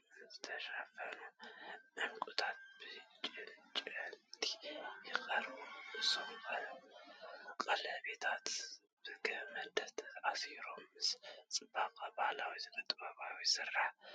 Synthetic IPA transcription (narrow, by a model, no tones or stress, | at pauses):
zɨt̪ʰɐʃafɐluʔɨmkʼut̪ʰat̪̚b̥ɨt͡ʃʼɨnt͡ʃʼɨt̪ʰi̥jɪxɐɾbumɨsofɐlu | kʼɐlɐβet̪ʰat̪ | b̥ɨɡɐhmɐd̪ɐt̪ʰɐasiɾo̞mːɨst͡sʼɨbakʼabahlawizɨkʼɐt̪ʼbaβawisɨrːaħ